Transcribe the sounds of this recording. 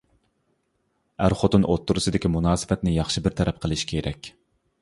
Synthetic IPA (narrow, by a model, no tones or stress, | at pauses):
æɾχot̪unʔot̪ːuɾusɨd̪ɪkʲimunɑːsɨ̥fɛt̪nɪjɑχʃɨbɪɾt̪ʰɛɾɛp̚qʰəlˠɪʃkʲʰeɾʔɛkʲ